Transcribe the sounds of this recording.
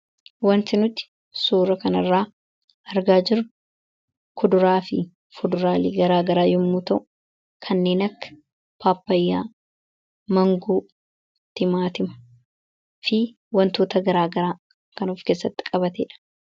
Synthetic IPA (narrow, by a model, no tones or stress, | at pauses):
wɐnt̪ɪnʊt̪ːɪ̥ | suːɾɐkɐnɐrːaː | ʔɐɾɡaːd͡ʒɪɾʊ | kʰʊd̪ʊɾaːfɪ | fʊd̪ʊɾaːliːɡɐɾaːɡɐɾaːjʊmːuːt̪ɐʔʊ | kʰɐnːe̞ːnɐkːɐ̥ | paːpːɐjːaː | mɐŋɡuː | t̪ɪmaːt̪ɪmɐ̥ | fɪ | wɐnt̪oːt̪ɐɡɐɾaːɡɐɾaː | kɐnuːfkeːsːɐt̪ːɪ̥kʼɐbɐt̪ḛːᶑɐ̥